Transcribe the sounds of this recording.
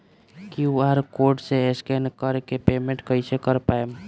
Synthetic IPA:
kjuaɾkoɾʈseeskenkəɾkepemẽɳʈkəjsekəɾpaem

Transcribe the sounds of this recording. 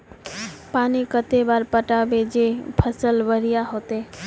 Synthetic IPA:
paːnikət̪ebaːɾpəʈabed͡ʒepʰəsəlʋəɾijaɦot̪e

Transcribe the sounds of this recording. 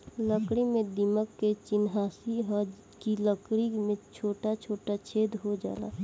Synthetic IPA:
ləkɽimẽd̪iməkːet͡ʃɪnɦaːsiɦə | kiləkɽimẽt͡ʃʰoːʈat͡ʃʰoːʈat͡ʃʰeːd̪ɦod͡ʒa̰ːla̰ː

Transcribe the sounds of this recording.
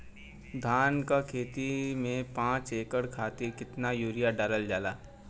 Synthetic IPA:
d̪ʱaːnkakʰeːt̪imẽpãːt͡ʃeːkəɽkʰaːt̪iɾkɪt̪najuːɾijaɖaɾəld͡ʒaːlaː

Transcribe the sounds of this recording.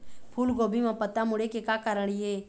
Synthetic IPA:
pʰuːlɡoːbʱimãpət̪amʊɽekekaːkaɾəɽ̃iɦeː

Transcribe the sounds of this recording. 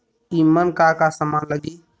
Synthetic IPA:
imənkakasəmaːləɡiː

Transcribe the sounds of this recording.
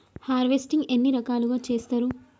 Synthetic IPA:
haːɾʋesʈiŋɡenːiɾɐkaːluɡaːt͡ʃeːst̪aːɾu

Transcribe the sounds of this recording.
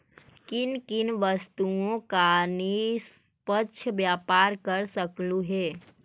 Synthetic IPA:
kɪnkɪnʋəst̪uõkanis | pəʃʰəʋjaːpaːɾkəɾsəkluɦeː

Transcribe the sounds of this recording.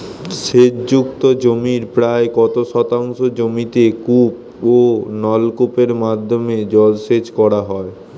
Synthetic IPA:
ʃed͡ʑd͡ʑukt̪od͡ʑomiɾpɾaekɔt̪oʃɔt̪aŋʃod͡ʑomit̪ekup̚ | onɔlkupeɾmad̪ʱːomed͡ʑɔlʃed͡ʑkɔɾaɦɔe

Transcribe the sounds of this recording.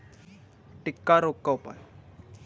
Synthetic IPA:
ʈikːaɾokːəwpə̰n

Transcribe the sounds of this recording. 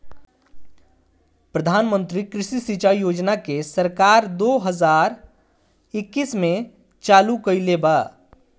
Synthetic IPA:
pɾəd̪ʱaːnmə̃nt̪ɾikɾɪʃisit͡ʃaːijoːd͡ʒnakesəɾkaːɾd̪oːɦəzaːɾ | ɪkːismẽ | t͡ʃaːlukəilebaː

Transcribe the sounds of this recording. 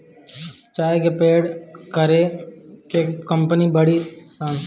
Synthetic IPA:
t͡ʃaːekepeːɖkəɾeːkeːkəmpəniːbəɽiːsã

